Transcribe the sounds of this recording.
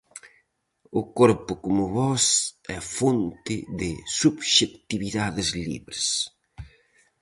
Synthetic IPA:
ʊkoɾpʊkomʊβɔsɛfont̪ɪðɪsubʃekt̪iβiðaðɪzlḭβɾes

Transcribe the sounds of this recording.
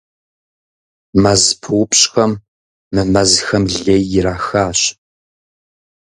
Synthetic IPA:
mɐzpʰɨwʊpɕxɐmː | ɨmɐzxɐmɮeːjːɪɾaːxaːɕ

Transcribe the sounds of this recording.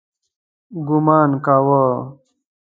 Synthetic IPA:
ɡumaːnkaːwa

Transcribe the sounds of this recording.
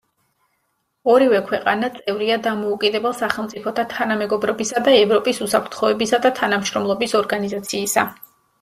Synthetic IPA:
ɔɾivɛkʰwɛqʼa̰nat̪sʼɛvɾiad̪amɔukʼid̪ɛbɛlˠsaχɛlˠmt̪sʼipʰɔt̪ʰat̪ʰanamɛɡɔbɾɔbisad̪aɛvɾɔpʼisusapʰɾt̪ʰχɔɛbisad̪at̪ʰanamʃɾɔmlˠɔbisɔɾɡanizat̪sʰiːsa

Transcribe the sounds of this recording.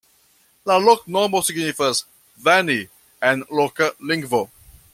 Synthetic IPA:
lalɔk̚nɔːmosɡinifəs | væni | ɛ̃nlokəlɪ̃ŋɡvo

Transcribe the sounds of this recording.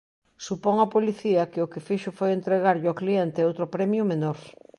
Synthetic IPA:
supoŋɐpoliθiɐkɪʊkɪfiʃʊfojent̪ɾeɣaɾʎoklient̪eowt̪ɾʊpɾɛmjʊmenoɾ

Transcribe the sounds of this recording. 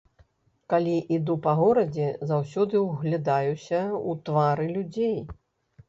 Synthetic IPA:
kalʲiʔid̪upɐɣɔɾɐd͡zʲɛzawsʲɔd̪ɨwɣlʲad̪ajusʲɐut̪vaɾɨlʲud͡zʲej

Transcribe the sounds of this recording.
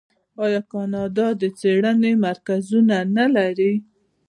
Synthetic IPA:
ɑjɑkɑnɑd̪ɑd̪ət͡seɽənemaɾkazunanalaɾi

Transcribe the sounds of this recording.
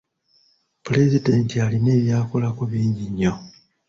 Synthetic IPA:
pule̞zide̞ntialine̞ːβjaːkolakuβiːɲɟiɲːo̞

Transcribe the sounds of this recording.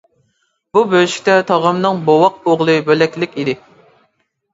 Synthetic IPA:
bubøʃi̥kʲt̪ɛt̪ʰɑʁəmnɨŋbowɑq̚oʁlˠɨbølɛkʲlɪkʲid̪ɪ

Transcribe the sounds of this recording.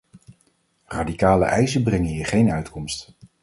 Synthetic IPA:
radikaːlə̰ʔɛjsəbrɛŋəɦiːɹχejnœɥtkɔmst

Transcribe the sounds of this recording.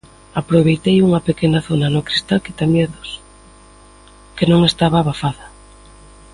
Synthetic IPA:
apɾoβejt̪ejuŋɐpekenaθonanʊkɾist̪alkɪt̪amjeðʊs | kenõŋest̪aβaːβafaðɐ

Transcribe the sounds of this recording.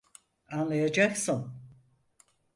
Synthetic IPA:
anlˠajad͡ʒaksɯn

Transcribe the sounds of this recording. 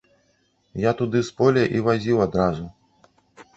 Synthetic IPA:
jat̪ud̪ɨspɔlʲɛʔivazʲiwad̪ɾazu

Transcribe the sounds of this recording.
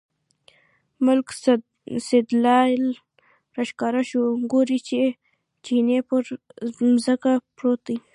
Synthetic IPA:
mʊlk | sɪd̪lɑl | ɾaʃkɑɾaʃoɡoɾit͡ʃe | t͡ʃinepəɾmzəkapɾot̪i

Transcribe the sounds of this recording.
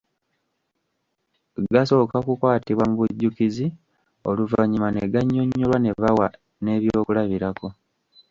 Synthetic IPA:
ɡaso̞kakukwaːtiβwamuβuɟːukizi | oluvaɲimaneɡaɲːoɲːulwane̞βawa | ne̞ːβjoːkulaβiɾako̞

